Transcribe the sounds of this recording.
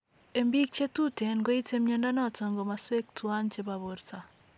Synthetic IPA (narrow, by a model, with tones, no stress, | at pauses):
e˨mbi˦k̚t͡ʃe˦tu˦te˨nɡo˦i˦te˦mɲe˦nda˦nɔ˦tɔ˨ŋɡo˨ma˨swe˦k̚twa˦nt͡ʃe˦ba˨bo˨ɾta˨